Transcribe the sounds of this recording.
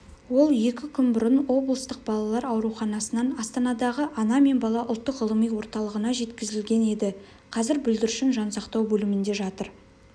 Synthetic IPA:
wo̞lˠje̞kʲɪkʲʰʏnbʊɾənwo̞blˠəst̪əq̚bɑlˠɑlˠɑɾɑwɾuwχɑnɑsənɑnɑst̪ɑnɑd̪ɑʁəʔɑnɑme̞nbɑlˠɑʔʊlˠt̪ːəqʁəlˠəmijwo̞ɾt̪ɑlˠəʁənɑʒe̞t̪kʲɪzɪlɡʲe̞ne̞d̪ɪ | qʰɑzɪɾbʏld̪ɪɾʃɪnʒɑnsɑqt̪ɑwbɵlɪmɪnd̪e̞ʒɑt̪əɾ

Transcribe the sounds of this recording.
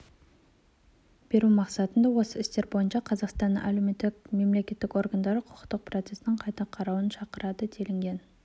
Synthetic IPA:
b̥e̞ɾumɑqsɑt̪ənd̪ɑwo̞səɪst̪e̞ɾbo̞jənʃɑqʰɑzɑqst̪ɑnːəŋʔæ̰lemet̪ːɪkʲme̞mle̞kʲe̞t̪ːɪkʲo̞rɡand̪ɑɾəqʰʊ̥qə̥t̪ːəq̚prot̪se̞snɪɴqʰɑjt̪ɑqʰɑɾɑwənʃɑqəɾɑd̪ət̪ʰe̞lɪŋɡʲe̞n

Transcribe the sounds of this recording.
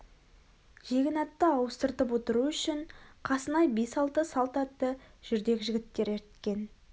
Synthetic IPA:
ʒ̥e̞ɡʲɪnɑt̪ːəɑwəst̪əɾt̪əpwo̞t̪əɾuʏʃɪɴqʰɑsənɑjbe̞sɑlˠt̪əsɑlˠt̪ɑt̪ːəʒ̥ʏɾd̪e̞kʲʒɪɡʲɪt̪ːe̞ɾeɾt̪kʲe̞n

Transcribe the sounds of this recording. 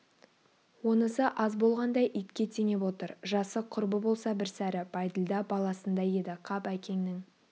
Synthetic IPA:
wo̞nəsəʔɑzbo̞lˠʁɑnd̪ɑjʔijt̪kʲe̞t̪ʰene̞pwo̞t̪əɾʒɑsəqʰʊɾbəbo̞lˠsɑbɪɾsæɾɪb̥ɑjd̪əlˠd̪ɑbɑlˠɑsənd̪ɑje̞d̪ɪqʰɑpækʲe̞ŋnɪŋ

